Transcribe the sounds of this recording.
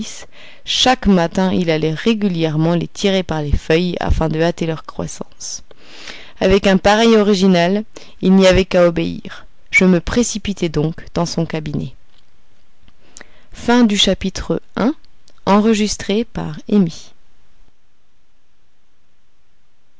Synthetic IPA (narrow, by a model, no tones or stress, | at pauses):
s | ʃakmat̪ɛ̃ilalɛʁeɡʲyljɛʁmɑ̃let̪ʰiʁepaʁlefœja̰fɛ̃d̪əat̪elœʁkχwa̰sɑ̰̃s | avɛkɛ̃paʁɛjɔʁiʒinal | ilniavɛkaɔbeḭʁ | ʒ̥əməpχesipit̪ɛd̪ɔ̃kd̪̥ɑ̃sɔ̃kabinɛ̰ | fɛ̃d̪yʃapit̪χəɛ̃ | ɑ̃ʁəʒist̪χepa̰ʁemi